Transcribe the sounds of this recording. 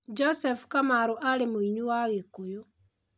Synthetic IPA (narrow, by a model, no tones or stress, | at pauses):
d͡ʒɔsɛfkamaɾoʔaɾemoiɲuwaɣekojo